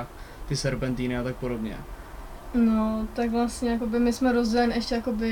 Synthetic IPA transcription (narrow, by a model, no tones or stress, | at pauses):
t̪ɪsɛɾpɛnt̪iːnɪat̪ak̚po̞do̞bɲɛ̰ | not̪akvlast̪ɲɛjak̬o̞bɪmɪsmɛɾozɟɛlɲiʔɛʃcɛjako̞bɪ